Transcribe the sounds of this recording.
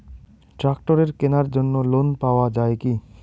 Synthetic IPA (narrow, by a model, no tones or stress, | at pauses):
ʈɾakʈoɾeɾkenaɾd͡ʑonːolonpaoad͡ʑaeki